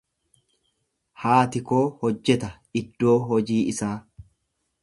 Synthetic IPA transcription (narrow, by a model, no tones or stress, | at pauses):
haːt̪ɪko̞ːhɔd͡ʒːɛt̪ɐ | ɪd̪ːo̞ːɦɔd͡ʒiːʔɪsaː